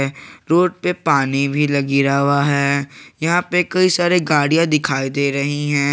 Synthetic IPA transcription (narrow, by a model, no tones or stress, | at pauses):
ɾoːʈ̚pepaːnibʱilɐɡiɾaːʋaɦɛːjɐɦãpekɐisaːɾeɡaːɽijãd̪ɪkʰaːid̪eːɾɐɦiɦɛ̃ː